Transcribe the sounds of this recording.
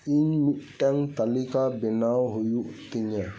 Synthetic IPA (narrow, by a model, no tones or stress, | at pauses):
iɲmiʈːaŋt̪ɐlikabinawɦujut̪iɲe